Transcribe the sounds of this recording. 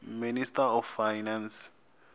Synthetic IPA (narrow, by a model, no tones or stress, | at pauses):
ministʼaɔfːajnans